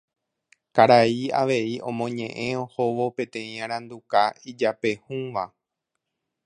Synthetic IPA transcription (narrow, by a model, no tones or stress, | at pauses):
kaɾaiaʋe̞iõ̞̰mõ̞ɲẽ̞ʔẽ̞o̞ho̞ʋo̞pẽ̞t̪ẽ̞ĩãɾ̃ãnd̪ukaid͡ʒape̞hũʋa